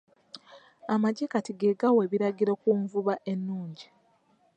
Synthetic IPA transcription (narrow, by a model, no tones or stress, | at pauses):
amaɟekatiɡeɡawe̞βiɾaɡiɾokuɱvuβaʔe̞nːuːɲɟi